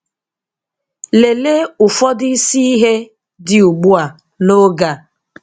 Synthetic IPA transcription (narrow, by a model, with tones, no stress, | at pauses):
le˨le˦ʊ˨fɔ˦dɪ˦i˦si˦i˦ɦe˦ | dɪ˨u˨ɡ͡bu˦a˨ | no˦ɡa˨